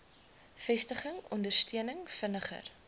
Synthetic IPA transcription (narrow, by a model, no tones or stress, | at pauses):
fɛstəχəŋɔndərstiənəŋfənəχə̰r